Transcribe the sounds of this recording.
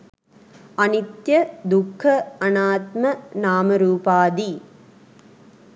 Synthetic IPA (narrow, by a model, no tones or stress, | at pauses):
ɐnɪt̪jɐd̪ʊkʰːɐɐnaːt̪mɐnaːmɐɾuːpaːd̪i